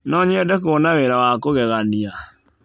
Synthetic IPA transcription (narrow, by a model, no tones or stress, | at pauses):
nɔɲɛdɛk̬oɔnawɛɾawakoɣɛɣania